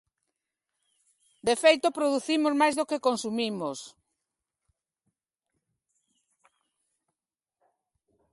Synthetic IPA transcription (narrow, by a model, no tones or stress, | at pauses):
d̪efejt̪opɾoðuθimozmajzðokekonsumimos